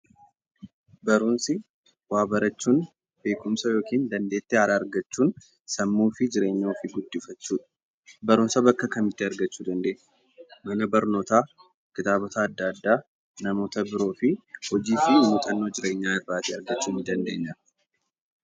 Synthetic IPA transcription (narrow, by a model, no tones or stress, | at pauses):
bɐɾunsɪ | waːbɐɾɐt͡ʃːuːn | be̞ːkʼʊmsɐjoːkiːnd̪ɐnd̪e̞ːt̪ːeɐɾaːɾɡɐt͡ʃːuːn | sɐmːuːfɪd͡ʒɪɾe̞ːɲːoːfɪɡʊd̪ːɪfɐt͡ʃːuːᶑɐ̥ | bɐɾʊnsɐbɐkːɐkɐmɪt̪ːeɐɾɡɐt͡ʃːuːd̪ɐnd̪e̞ːɲ | mɐnɐbɐɾno̞ːt̪aː | kɪt̪aːbɔt̪aːd̪ːaːd̪ːaː | nɐmo̞ːt̪ɐbɪɾo̞ːfɪhɔd͡ʒiːfɪmʊt̪ʼɐnːo̞ːd͡ʒɪɾe̞ːɲːaːɪrːaːt̪ɪɐɾɡɐt͡ʃːuːnɪd̪ɐnd̪e̞ːɲːɐ